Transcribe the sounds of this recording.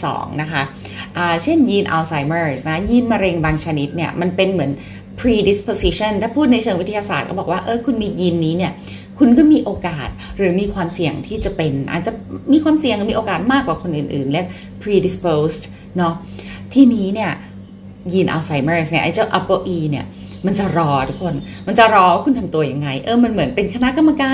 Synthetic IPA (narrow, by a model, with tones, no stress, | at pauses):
sɔ̰ː˩˦ŋna˦˥kʰa˦˥ | ʔaː˨˩t͡ɕʰe˥˩njiː˧nʔa˧wsa˧˩jmɤː˥˩sna˧kʰa˥jiː˧nma˧ɾe˧ŋbaː˧ŋt͡ɕʰa˧ni˦˥t̪̚ni˥˩ɐma˧npe˧nmɯ˩˦ən | pʰɾiː˧di˦˥spo˧si˦˥t͡ɕʰɔ˥˩nt̪ʰaː˥˩pʰuː˥˩t̪̚na˧jt͡ɕʰɤː˧ŋwi˦˥t̪ʰa˧ja˧saː˨˩t̪̚kɔ˥˩bɔ˨˩k̚waː˥˩ʔɤː˧˩jkʰu˧nmiː˧ji˧nːiː˦˥ni˥˩ɐ | kʰu˧nkɔː˥˩miː˧ʔoː˧kaː˨˩t̪̚ɾɯː˩˦miː˧kʰwaː˧msi˨˩əŋt̪ʰiː˥˩t͡ɕa˨˩pe˧nʔa̰ː˨˩t̪̚t͡ɕa˨˩miː˧kʰwaː˧msi˨˩əŋ˨˧miː˧ʔoː˧kaː˨˩t̪̚maː˥˩kwaː˨˩kʰo˧nʔɯː˨˩nʔɯː˨˩nlɛː˧˩k̚ | pʰɾiː˧di˨˧˥spoː˧st | nɔ˦˥ | t̪ʰiː˥˩niː˦˥ni˥˩ɐ | ji˧nʔa̰˧wsa˧˦jmeː˥˩sni˥˩ʔa˧˩t͡ɕaː˥˩wʔa˦˥pːo˥˩ʔiː˧ni˥˩ɐ | ma˧nt͡ɕa˨˩ɾɔː˧˥t̪ʰu˦˥kʰo˧n | ma˧nt͡ɕa˨˩ɾɔː˧waː˥˩kʰu˧nt̪ʰa˧mt̪u˧ɐja˧ŋːa˧jʔɤː˧ma˧nmɯ˩˦ənpe˧nkʰa˧na˦˥ʔka˧mːa˧kaː˧